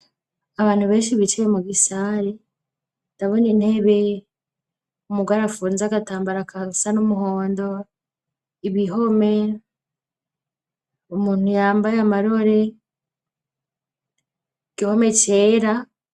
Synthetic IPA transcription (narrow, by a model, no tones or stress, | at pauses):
aβaːn̥huβe̞ːnʃiβit͡ʃijemuɡisaɾe | taβoniːn̥he̞βe̞ | umuɡwaɾafuːnzaɡataːmbaɾakasanomuɦoːndo̞ | iβiɦo̞me̞ | umuːn̥hujaːmbajamaɾo̞ɾe̞ | iɡ̥iho̞me̞ce̞ːɾa